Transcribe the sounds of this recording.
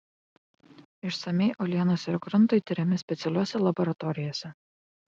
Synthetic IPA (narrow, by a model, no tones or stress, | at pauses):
ɪʃsɐmʲɛɪʔɔlʲiɛnoːsʲɪɾkɾʊnt̪oɪt̪ʲɪɾʲɛmʲɪsʲpʲɛt̪sʲɛlʲuɔsʲɛlˠɐbɔɾɐt̪ɔɾʲɪjoːsʲɛ